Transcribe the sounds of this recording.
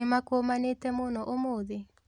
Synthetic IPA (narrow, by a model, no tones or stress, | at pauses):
ɪmakomanetɛmonɔʔomoðe